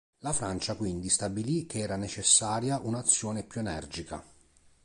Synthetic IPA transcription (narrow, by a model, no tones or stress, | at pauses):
lafɾant͡ʃakwind̪ist̪abilik̟eɛːɾanet͡ʃesːaːɾjaʔunaːt̪sːjɔːnepjuenɛ̰rd͡ʒika̰